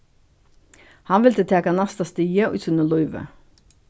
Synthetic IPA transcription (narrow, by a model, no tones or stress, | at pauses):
hɑnʋɪlt̪ət̪ʰeːkɑnɑst̪ɑst̪iːəʔʉ̰ːsʉnəlɔʏʋə̰